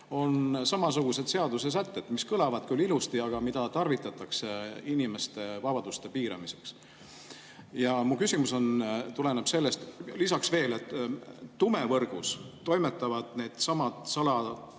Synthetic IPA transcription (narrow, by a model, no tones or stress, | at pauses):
o̞nsɑmɑs̬uɡ̥use̞d̪se̞ɑd̪̥use̞s̬æt̪ːe̞t̪miskɤlɑvɑd̪̥kylːilust̪iɑɡ̥ɑmid̪̥ɑt̪ɑrvit̪ːˑɑt̪ːˑɑkseinime̞st̪e̞vɑb̥ɑd̪̥ust̪e̞piːɾɑ̰mise̞ks | jɑmukysimuso̞nt̪ule̞neb̥se̞lːe̞st̪lisɑksve̞ːle̞t̪ː | ume̞vɤrɡ̥ust̪o̞jme̞t̪ːˑɑvɑd̪̥ne̞ːd̪̥sɑmɑt̪sɑlɑ